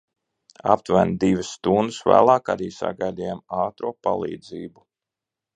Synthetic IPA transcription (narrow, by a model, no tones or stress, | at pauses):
a̰p̚t̪vænd̪ivɪsːt̪und̪usvæ̰ːlˠɑːkaɾiːsa̰ɡajlʲijamɑːt̪ɾuɔpa̰lˠḭːd̪ziːbu